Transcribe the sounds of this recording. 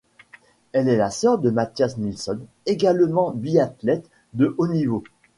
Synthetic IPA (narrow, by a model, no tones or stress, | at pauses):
ɛlɛlasœʁd̪əmat̪jasnilsɔn | eɡalmɑ̃biat̪lɛt̪ | d̪əʔonivo